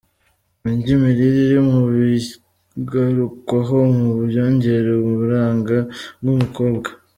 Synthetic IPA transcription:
miɲɟimiɾiɾiɾimuβi | ɡaɾukwaɦo̞mubjoːɲɟe̞ɾeuβuɾaːŋɡabɡumuko̞ːbɡa

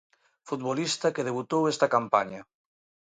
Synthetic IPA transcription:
fut̪̚βolist̪ɐkeðeβ̞ut̪owest̪ɐkampaɲa

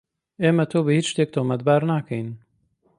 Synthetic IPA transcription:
eːmɐt̪ʰoːbɨhit͡ʃʃt̪eːk̚t̪ʰomɐt̪̚baːɾnaːkʰɛjn

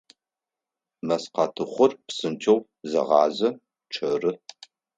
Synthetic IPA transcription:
mɐsqɑtʰɨχʷʊrpsɨntʰow | zɐ̰ʁɑːzɐ | ʈ͡ʂʰɐrɨ

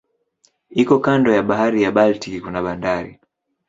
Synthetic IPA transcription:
ikɔkandɔjaɓaɦaɾijaɓaltikikunaɓandaɾḭ

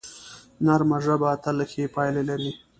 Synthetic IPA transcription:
naɾmaʐabat̪alxepɑjlelaɾi

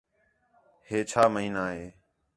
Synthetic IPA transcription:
heːt͡ʃʰaːməɦiːnaːɦeː

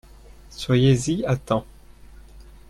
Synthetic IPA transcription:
swajeziat̪ɑ̃

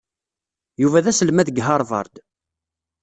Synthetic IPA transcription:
juvæðæsəlmæðɡɦɑɾˤvɑ̰ɾˤd̪

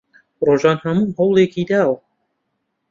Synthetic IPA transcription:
roːʒɑːnhɐmuːhowlˠeːkid̪aːw

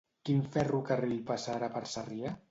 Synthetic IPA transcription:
kinfɛrukariʎpasaɾapaɾsaria

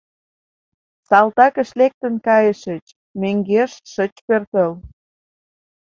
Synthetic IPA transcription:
sɑlt̪ɑkə̆ʃlek̚t̪ə̆nkɑjəʃət͡ɕ | møŋɡeʃʃət͡ɕpørt̪əl

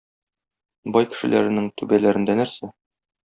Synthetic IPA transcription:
bɒjkɘ̥̆ʃɘ̆læ̰ɾɘ̆nɘŋt̪ʉbælæɾɘ̆nd̪ænæɾsæ

